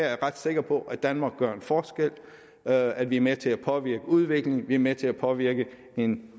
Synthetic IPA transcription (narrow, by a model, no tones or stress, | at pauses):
æɐæɐʁɑd̥se̝ɡ̥ɐpʰɒ̽ʔæd̥ænmɑ̈ːɡ̥ɶɐ̰e̝nfɒːsɡ̥el̰ | æd̥ʋiæɐmet͡sʰe̝læpʰɒ̽ʋiɐ̰ɡ̥əuð̞ˠʋe̝ɡ̥le̝ŋʋiæɐmet͡sʰe̝æpʰɒ̽ʋiɐɡ̥ə | e̝n